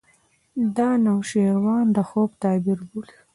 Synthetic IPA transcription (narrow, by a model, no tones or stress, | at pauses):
d̪ɑːnawʃeɾwɑːnd̪əxoːbt̪ɑːbiɾɡul